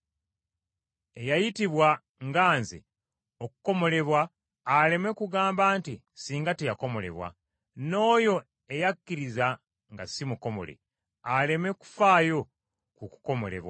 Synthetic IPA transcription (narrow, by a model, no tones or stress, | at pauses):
e̞jajitiβwa | ŋɡaːnzḛ | oku̥ko̞mo̞le̞βwaː | le̞me̞kuɡaːmbaːnti | siːŋɡatejako̞mo̞le̞̰βwa̰ | no̞ːjo̞ | e̞jakːiɾiza | ŋɡasimuko̞mo̞̰le̞̰ | ale̞me̞ku̥faːjo̞ | kuku̥ko̞mo̞̰le̞̰βwa̰